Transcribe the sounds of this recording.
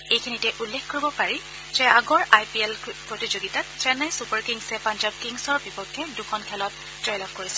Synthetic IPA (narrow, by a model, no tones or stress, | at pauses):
ejkʰinitɛʔulːɛkkoɹibɔpaɹi | zɛaɡɔɹʔajpiɛlpɹotizoɡitattɛnajsupaɹkiŋsɛpand͡ʒab̚kiŋsɔɹbipɔkʰːɛdukʰɔnkʰɛlɔt̚ | d͡ʒɔjlapkoɹisɛ̥